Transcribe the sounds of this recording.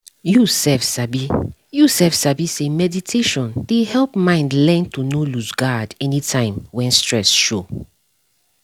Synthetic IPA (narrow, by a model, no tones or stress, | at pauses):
jusɛfsabijusɛfsabisemɛditʰeʃɔ̃nd̥ehɛlpmãɪ̃ndlɛ̃ntunoluzɡadɛnitʰãɪ̃mwɛ̃nstɹɛsʃo